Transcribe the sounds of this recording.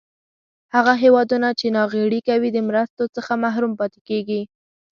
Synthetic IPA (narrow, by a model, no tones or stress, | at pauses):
haɣaɦewɑd̪unat͡ʃenɑɣeɽikawid̪əmɾast̪ot͡səxamaɦɾumpɑt̪ekeɡi